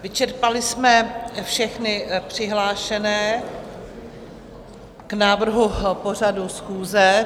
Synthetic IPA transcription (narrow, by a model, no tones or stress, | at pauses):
vɪt͡ʃɛɾpalɪsmɛfʃɛxnɪpr̝̥ɪɦlaːʃɛnɛː | knaːvr̩ɦupo̞r̝adusxuːzɛ